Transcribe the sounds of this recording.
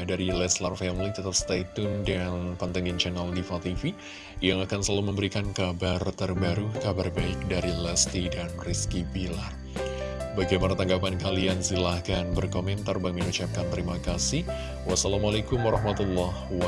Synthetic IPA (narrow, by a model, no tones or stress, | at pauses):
daɾilɛslarfɛmlit̪ət̪ap̚st̪at̪ʊndanpant̪aŋɡɪnt͡ʃanaldifat̪ifi | jaŋakansəlaluməmbəɾikankabart̪ərbaɾukabarbaɪk̚daɾilɛst̪idanriskibilar | baɡajmanat̪aŋɡapankaliansilahkanbərkomɛnt̪arbaŋɪnut͡ʃap̚kant̪əɾimakasɪh | wasalamalakʊmwaɾɑhmat̪ulːɔhwa